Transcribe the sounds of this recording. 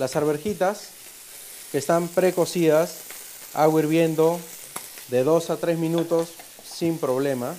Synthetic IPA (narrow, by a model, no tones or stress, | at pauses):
lasaɾβe̞ɾxit̪as | ke̞ːst̪ampɾe̞ko̞sias | a̰ɣwiɾβje̞nd̪o̞ | ðe̞ðo̞sat̪ɾe̞zmĩnut̪o̞sː | impɾo̞β̞le̞ma